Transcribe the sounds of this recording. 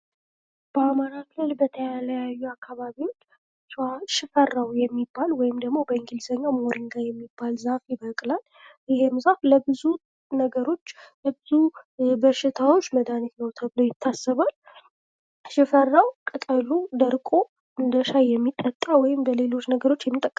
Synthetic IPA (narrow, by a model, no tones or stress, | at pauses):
b̥əamaɾakʰɨlɨlbət̪ʰəjaljajːuakʰːaβaβiwot͡ʃː | aʃɪfərːawjɛmːibːalwɔjɪmd̪əɡmo̞bəɨŋɡilsəɲːamoɾiŋɡajɛmːibːalzafjɪbəkʼlal | jɪhemzafləbɨzu | nəɡəɾo̞t͡ʃːləbɨzubəʃɪt̪ʰawo̞t͡ʃːməd̪anit̪nəwt̪ʰəβɨlojɪt̪ʰːasːəβal | ʃɪfərːawkʼɨk̪ʼəlud̪əɾkʼo | ʔɨnd̪əʃajɛmːit̪ʼːət̪ʼːawɔjɪmbəle̞lo̞t͡ʃːnəɡəɾo̞t͡ʃːjɛmːit̪ʼəkʼː